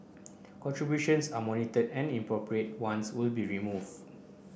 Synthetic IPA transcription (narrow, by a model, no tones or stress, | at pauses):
kɔ̃ntɹibjuʃə̃nsamɔnitədɛ̃nĩmpɹɔpɹiet̚wãnswɪlbiɹimuv